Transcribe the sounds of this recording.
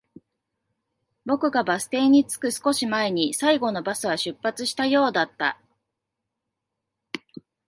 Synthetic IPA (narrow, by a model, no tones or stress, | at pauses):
bo̞kɯ̟ɡabasɨ̥t̪e̞ːɲ̟it͡sɨ̥kɯ̟sɨ̥ko̞ɕimae̞ɲ̟isaiɡo̞no̞basɨβ̞aɕɨpːat͡sɨɕi̥t̪ajo̞ːd̪at̪ːa̰